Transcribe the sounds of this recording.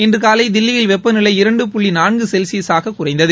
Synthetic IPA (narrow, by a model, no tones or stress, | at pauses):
ɪndrɯkaːlɐɪd̪ɪlːɪjɪlʋɛpːɐnɪlɐɪɪɾɐɳɖɯpʊɭːinaːnɡɯsɛlsiɐsaːɣɐkʊrɐɪnd̪ɐðɯ